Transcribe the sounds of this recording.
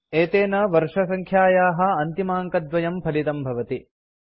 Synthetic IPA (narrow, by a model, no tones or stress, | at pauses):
eːt̪eːnɐʋɐɾʂɐsɐŋkʰjaːjaːɦɐ̆ɐnt̪imaːŋkɐd̪ʋɐjɐmpʰɐlit̪ɐmbʱɐʋɐt̪i